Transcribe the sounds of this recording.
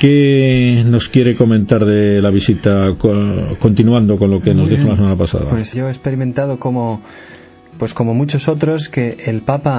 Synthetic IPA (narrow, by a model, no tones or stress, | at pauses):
keno̞skje̞ɾe̞ko̞mẽ̞nt̪aɾðelaβ̞isit̪aoko̞nt̪inuand̪o̞ko̞nlo̞keno̞zðixolasemanapasa̰ða̰pwesʝoespe̞ɾimẽ̞nt̪aðo̞ko̞mo | pwe̞sko̞mo̞mut͡ʃoso̞t̪ɾo̞ske̞ʔːlpapa